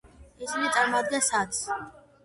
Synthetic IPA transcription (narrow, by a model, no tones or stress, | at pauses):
isinit̪sʼaɾmad̪̚ɡɛnsat̪s